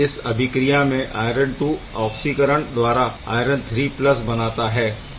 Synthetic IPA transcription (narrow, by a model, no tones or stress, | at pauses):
ɪsɐbʱɪkɾijamẽʔa̰ːjɾə̃ɳɖʈuɔːksikəɾəɽ̃d̪ʋaːɾaa̰ːɪɾə̃ɳt̪ʰɾiːplɐsbɐnaːt̪aɦɛː